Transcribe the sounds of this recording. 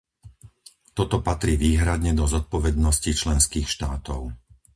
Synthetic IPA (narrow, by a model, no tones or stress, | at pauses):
t̪ɔt̪ɔpat̪ɾiːʋiːɦɾad̪ɲɛd̪ɔzɔt̪̚pɔʋɛd̪nɔscit͡ʃlɛnskiːxʃt̪aːt̪ɔʊ